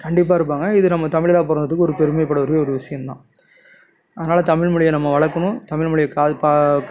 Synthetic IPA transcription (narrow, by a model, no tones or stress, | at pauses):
kɐɳɖɪp̬ːaːɪɾɯp̬ːaːŋɡɐɪðɯnɐmːɐt̪ɐmɪɭɪlaːp̬ɔːɾɐnd̪ɐðɯkːɯɔɾɯpɛɾɯmɐjɪpːɐɽɐʋɐɾɯeɔɾɯʋɪʂɐjɐmt̪ã̰ː | ɐðɐnaːlɐt̪ɐmɪɭmɯɭɪjɐnɐmːɐʋɐɭɐkːɯmʊ̃t̪ɐmɪɻmʊɭɪjɐkaːpa